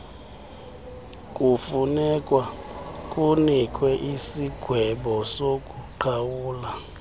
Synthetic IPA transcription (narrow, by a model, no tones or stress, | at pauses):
kʼufunɛkʼwakʼunikʼwɛʔisiɡ̥ʱwɛɓɔsokʼuǃʰawuːla